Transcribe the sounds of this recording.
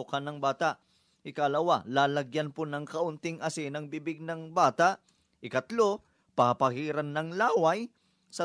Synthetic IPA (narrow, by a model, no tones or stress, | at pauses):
ʊkɐnɐŋbaːt̪aʔ | hɪkalɐwalaːlɐɡjanpʊnɐŋkɐʔʊnt̪ɪŋɐsɪnɐŋbibɪɡ̚nɐŋbaːt̪aʔ | ʔɪkɐt̪lo̞ | pɐɐpɐhiːɾɐnːɐŋlaːwaj | sɐ